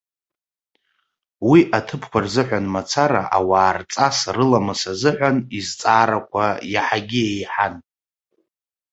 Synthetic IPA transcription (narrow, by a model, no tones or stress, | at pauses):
wiʔatʰɨpʰkʷʰarzɨħʷanmat͡sʰaɾa̰ʔawaːrt͡sʼasrɨlamɨsazɨʕʷanizt͡sʼaːɾakʷʰajaħaɡʲiejħan